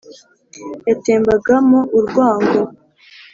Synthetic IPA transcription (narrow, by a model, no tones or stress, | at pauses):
jateːmbaɡamoʔuɾɡwaːŋɡo